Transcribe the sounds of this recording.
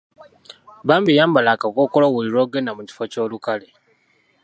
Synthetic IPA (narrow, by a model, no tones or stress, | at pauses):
baːmbijaːmbalakakoːkoloɣuliɾoːɡenamuci̥foco̞ːlukale